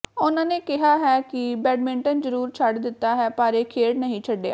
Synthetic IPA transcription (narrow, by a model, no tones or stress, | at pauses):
ʊnãːneːkɪɦaːɦɛːkɪbɛːɖmɪ̃ɳʈənd͡ʒəɾuːɾt͡ʃʰəɖd̪ɪt̪ːaːɦɛːpaːɾeːkʰeːɽnəɦĩːt͡ʃʰəɖːea̰ː